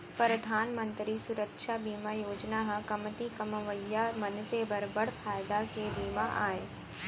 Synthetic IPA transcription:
pɾɐd̪ʱaːnmə̃nt̪ɾisʊɾəkʃabiːmajoːd͡ʒnaɦɐ̃kɐmt̪ikɐməʋəjːamɐnsebɐɾbəɽfʰaːjd̪akebiːmaʔa̰ːeː

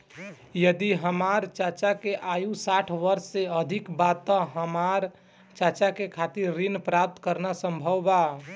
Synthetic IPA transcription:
jəd̪iɦəmaɾt͡ʃat͡ʃakeʔajusaʈʰʋəɾsːeəd̪ʱikbat̪əɦəmaɾ | t͡ʃat͡ʃakekʰat̪iɾːinpɾap̚t̪kəɾnasəmbʱəwba

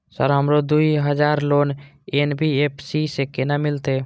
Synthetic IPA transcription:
sə̰ɾɦəmɾod̪uiɦəd͡ʒaːɾloːn | enbʱiepʰsisekenamɪlt̪eː

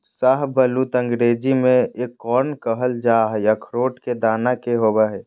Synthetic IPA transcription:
saɦbʱəlut̪ə̃ŋɡɾeːd͡ʒimẽekːɔːnkəɦəld͡ʒaːɦɛjakʰɾoːʈked̪aːnakeɦobaɦɛ

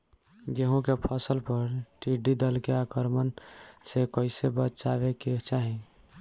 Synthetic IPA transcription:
ɡeɦõkepʰəsəlpəɾʈiɖid̪əlkeakəɾmənsekəɪsebət̪t͡ʃabeket͡ʃaːɦĩ

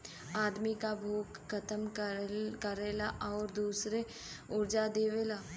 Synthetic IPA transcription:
aːd̪mikabʱoːɡkʰːɐt̪əm | kəɾeːlaʔɔːɾd̪uːsɾe | ʊɾd͡ʒad̪eːʋeːlaː

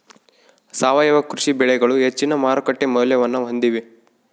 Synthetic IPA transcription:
saːʋɐjɐʋɐkɾuʂibɛɭɛɡɐɭuɦet͡ʃːinɐmaːɾɐkɐʈːemɐuljɐʋɐnːɐɦond̪iʋi

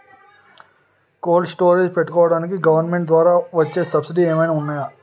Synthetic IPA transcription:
koːlɖsʈo̞ːɾeːd͡ʒpeʈːukɔːʋɐɽaːnik̬iɡɐʋɐɾnmeɳʈ̚d̪ʋaːɾaːʋɐt͡ʃːe̞ːsɐbsiɖiːeːmɐjnaːunːaːjaː

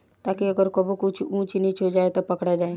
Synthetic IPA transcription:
t̪aːkiɐɡəɾkɐbokʊt͡ʃʰũːt͡ʃinĩt͡ʃod͡ʒaːet̪opɐkɽad͡ʒaːẽ

